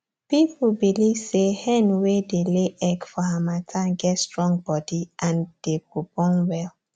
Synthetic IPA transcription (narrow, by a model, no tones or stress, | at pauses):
piplbiliv̥sehɛ̃nwedeleʔɛɡfɔhamatʰãɡɛtstɹɔ̃ŋɡ̚bɔdiʔãnd̥epopɔ̃nwɛl